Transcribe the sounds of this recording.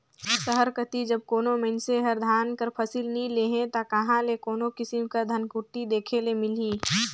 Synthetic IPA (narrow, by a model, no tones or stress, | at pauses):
səɦəɾkət̪id͡ʒəb̚koːnomenseɦəɾd̪ʱaːnkəɾpʰəsilnĩleːɦẽt̪akɐɦãlekoːnokɪsɪmkəɾd̪ʱənkʊʈ̪id̪eːkʰelemɪliː